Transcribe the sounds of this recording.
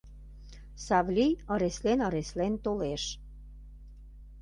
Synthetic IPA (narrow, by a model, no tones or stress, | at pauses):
sɑvlʲijəɾeslenəɾeslent̪oleʃ